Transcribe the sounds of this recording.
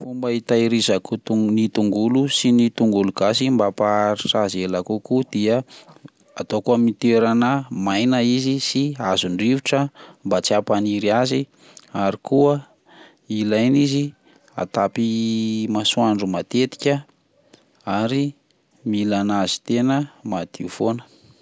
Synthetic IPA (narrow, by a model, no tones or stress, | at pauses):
fumbait̪aiɾizakut̪unit̪uŋɡulusinit̪uŋɡuluɡ̥asimbapaɾiʈ͡ʂazelakukud̪̥iə | at̪okuəmit̪eɾanəmajnəizisiazuɳɖ͡ʐiviʈ͡ʂəmbat͡siapaniɾiazi | aɾikuə | ilajnizi | a̰t̪apimasuaɳɖ͡ʐumat̪et̪i̥kʲə | aɾi | milanazi̥t̪enəmad̪̥iufonə̥